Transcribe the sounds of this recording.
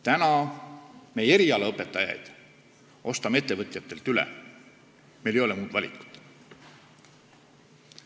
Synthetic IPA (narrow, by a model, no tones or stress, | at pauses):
t̪ænɑ | meje̞ɾiɑleɤpːˑe̞t̪ːˑɑjɑ̰jd̪̥ | ʔo̞st̪ɑme̞t̪ːˑe̞vɤt̪ʲˑjɑt̪ːˑe̞lt̪ylḛ | me̞lejo̞lemuːd̪vɑlʲḭku̥t̪